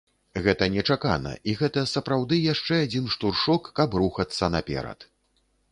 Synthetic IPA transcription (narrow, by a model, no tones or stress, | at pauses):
ɣɛt̪ɐnʲɛt͡ʂaka̰nɐ̰ʔiɣɛt̪ɐsɐpɾawd̪ɨjaʂt͡ʂɛad͡zʲinʂt̪urʂɔkːɐbruxɐt̪sːɐnapʲɛ̰ɾɐ̰t̪